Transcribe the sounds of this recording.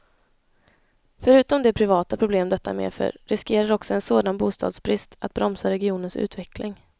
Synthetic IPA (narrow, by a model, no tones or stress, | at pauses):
fœɾʉ̟ːt̪ɔmd̪ɛpʰɾɪvɑːt̪apʰɾʊbleːmd̪ɛt̪ːa̰mḛːfœ̰ɾɾɪskeːɾaɾɔksɔɛnsoːd̪anbuːst̪ɑ̰ːd̪sbɾɪst̪at̪̚bɾɔmsaɾɛɡɪuːnənsʉ̟̰ːt̪vɛklɪŋ